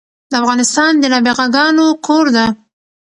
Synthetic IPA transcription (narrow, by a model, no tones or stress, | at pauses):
d̪əafɣɑnɪst̪ɑnd̪ənɑbeɣaɡɑnokʰoɾd̪a